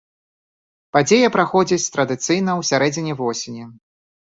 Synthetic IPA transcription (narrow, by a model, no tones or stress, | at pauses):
pad͡zʲejɐpɾaxɔd͡zʲit͡sʲt̪ɾɐd̪ɨt̪sɨjnɐwsʲaɾɛd͡zʲinʲɛvɔsʲenʲɛ